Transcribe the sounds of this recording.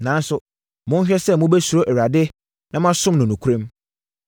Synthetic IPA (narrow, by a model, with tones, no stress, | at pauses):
nã˨n˦sʊ˨ | mʊ̃˦n˦ɕᶣɛ˦sɛ˦˨mʊ̃˦bɛ˦su˨ɾo˦ʔɛ˨ɾa˨dɪ˦ | nã˦mã˦sʊ̃˦mnʊ̃˨nũ˨kʰu˦ɾẽ˦m